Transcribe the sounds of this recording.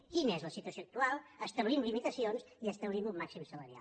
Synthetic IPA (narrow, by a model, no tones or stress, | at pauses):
kinəezləsit̪uəsoək̚t̪ualˠəst̪əβlimlimit̪əsionz | iəst̪əβlimumːaksimsələɾia̰l